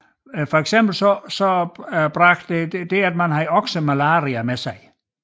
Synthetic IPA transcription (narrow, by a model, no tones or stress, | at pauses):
fɒ̽eɡ̥semb̥l̩sɒsɒb̥ʁɑɡ̥̚d̥de̥d̥e̝æd̥mænɦɑ̈iɒɡ̥səmælɑ̈ːʁiɐmesɑ̈ɪ